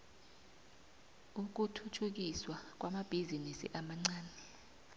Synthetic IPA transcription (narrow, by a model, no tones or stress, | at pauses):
uk̬utʰutʰuk̬iswak̬wamab̥ʱizinisḭʔamaŋ͡ǀaːnɛ